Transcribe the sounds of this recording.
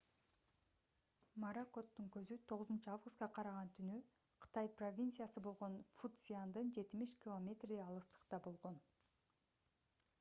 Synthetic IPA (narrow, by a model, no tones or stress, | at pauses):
maɾako̞t̪ːuŋkø̞zyt̪ʰo̞ʁʊzunt͡ʃuavɡust̪̚qɑqʰɑɾɑʁɑnt̪ʰynyqʰɯ̥t̪ɑjpro̞vʲint̪sɨjasɯbo̞lˠʁo̞nfut̪siand̪ɯnd͡ʒe̞t̪imiʃkʲɪlˠomʲe̞t̪reɑlˠɯst̪ɯ̥qt̪ɑbo̞lˠʁo̞n